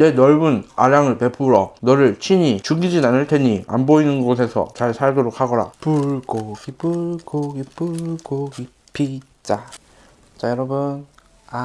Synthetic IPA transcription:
ne̞nʌɭbuna̰ɾaŋɯɭpe̞pʰuɾʌnʌɾɯɭt͡ɕʰiɲit͡ɕuɡid͡ʑinanɯɭtʰeɲia̰mboinɯnɡosʰe̞sʰʌ̰t͡ɕaɭsʰaɭdoɾok̚ʰhaɡʌɾa̰puɭkoɡipuɭkoɡipuɭkoɡi | pʰːi | t͡ɕ͈a | t͡ɕajʌɾʌbun | a

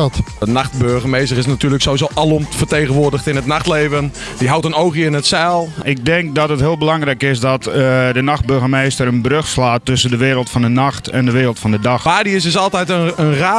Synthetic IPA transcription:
tənaχt̚bøɹɣəmejstərɪsnatyːləksowʋizoːʔalɔmtfərteːɣənʋʊːɹdəxtɪnətnaxtleːvən | diɦawtənoːɣiɪnətsɛlˠɪk̚dɛŋk̚dɔtətɦɪːlˠbəlɑŋrɛjkɪsdɔtdənaxt̚bøɹɣəmejstəɾənbrøxslaːtːɵsəndəʋɪːɾəlˠtfɔndənaxtʰɛ̰ndəʋɪːɾəlˠtfɔ̃ndədaxaːdiɪsɪs̬ɑlˠtɛjtəənra

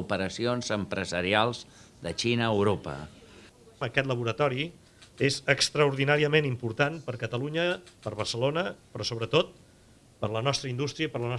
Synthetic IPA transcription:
upəɾəsionzəmpɾəzəɾialˠzðət͡ʃinəːwɾopə̰ | əkɛt̪ləβuɾət̪ɔɾi | ezəkst̪ɾəuɾðinaɾiəmenimpuɾt̪anpəɾkət̪əluɲəpəɾβərsəlonəpɾɔsoβɾət̪ot̪̚ | pəɾlənɔst̪ɾəind̪ust̪ɾiəpəɾlənɔ

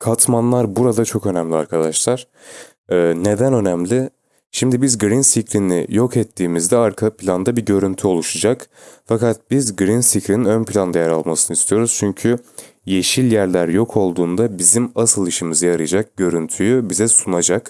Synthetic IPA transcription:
kʰat̪manlˠaɾbuɾad̪at͡ʃʰo̞kø̞næmlʲia̰ɾkʰad̪aʃlˠaɾ̥ | ɛːne̞d̪ænø̞næmlʲɪ | ʃimd̪ibizɡɾinsicɾinɪ̰jo̞kʰɛt̪ʰːiːmizd̪ɛaɾkʰapʰlʲand̪abiɟø̞ɾynt̪ʰyo̞lˠuʃad͡ʒakfakat̪̚bizɡɾinsicɾininønpʰlʲand̪ajaɾalˠmasɯnɯist̪ʰijo̞ɾuz̥t͡ʃʰyɲcʰy | je̞ʃilʲjæɾlʲæɾjo̞kʰo̞lˠd̪uːnd̪abizimasɯlˠiʃimizɯjaɾɯd͡ʒak̚ɟø̞ɾynt̪ʰyjybizɛsunad͡ʒak

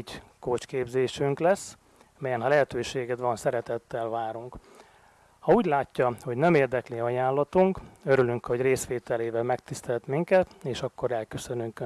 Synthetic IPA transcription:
ɟkoːt͡ʃkeːbzeːʃyŋklɛsː | mɛjɛnɦɒlɛɦɛt̪øːʃeːɡɛd̪ʋɒnsɛɾɛt̪ɛt̪ːɛlvaːɾuŋk | hɒuːɟlaːcːɒho̞ɟnɛmeːrd̪ɛkliɒjaːnlɒt̪uŋkø̞ɾylyŋkho̞ɟreːsʋeːt̪ɛleːvɛlmɛk̚t̪ist̪ɛlt̪miŋkɛt̪eːʃɒkːo̞ɾɛlkøsø̞nyŋk

